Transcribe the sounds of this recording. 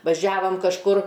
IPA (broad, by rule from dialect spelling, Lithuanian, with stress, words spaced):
ʋɐˈʒʲæːʋɐm kɐʃˈkʊr